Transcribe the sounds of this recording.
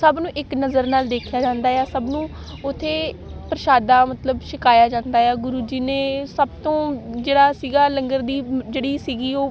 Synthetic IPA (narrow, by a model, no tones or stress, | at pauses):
səbnũːʔɪknəzəɾnaːld̪eːkʰjaːd͡ʒãːnd̪aːjaːsəbnũː | ʊt̪ʰːeːpɾəʃaːd̪aːmət̪ləbʃɪkaːjaːd͡ʒãːnd̪aːjaːɡʊɾuːd͡ʒiːnẽːsəb̚t̪õːd͡ʒeːɽaːsiːɡaːləŋɡəɾd̪iːd͡ʒeːɽiːsiːɡiːoː